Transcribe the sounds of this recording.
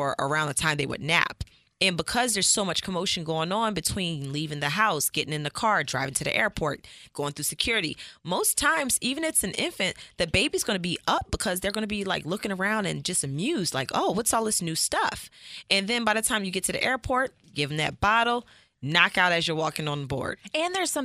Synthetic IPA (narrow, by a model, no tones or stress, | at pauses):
ə˞ʔə̰˞ãʊ̃nðɨtʰãɪ̃mðeɪwə̰dⁿnæ̰p | ɨ̃nbəkʰʌzðə˞z̥soʊmʌt͡ʃkʰəmoʊʃɨ̃n̩ɡoʊɪ̃ŋə̃nbɨtʰw̥ĩnlivɪ̃ŋðɨɦaʊsɡ̥ɛɾʔɪ̃ŋɨ̃nðɨkʰɑɹdɹa̰ɪvɪ̃ŋtʰɨðḭʔɛɹpʰɔɹt̚ɡ̥oʊɪ̃ŋθɹʉsɨkʰj̥ʊɹɨɾḭmoʊstʰãɪ̃mzivɨ̃nɨtsɨ̃n̩ɪ̰̃ɱfɨ̃nðɨbeɪbizɡʌnɨbiʔʌp̚b̥əkʰʌzðə˞ɡʌ̃nɨbilaɪklʊkɪ̃ŋə˞ãʊ̃ndɨ̰̃nd͡ʒʌstɨmjʉzdlaɪko̰ʊwʌtsɔlˠðɪsnʉstʌfʔɨ̃nðɨ̃nbaɪðɨtʰãɪ̃mjɨɡɛtʰɨðḭʔɛɹpʰɔɹt̚ɡ̥ɪvɪ̃ŋðɨ̰t̚b̥ɑɾl̩ˠ | nɑkaʊɾɨzjə˞wɔkɪ̃ŋə̃nbɔ̰ɹd̥ɨ̃nðə˞z̥sʌ̃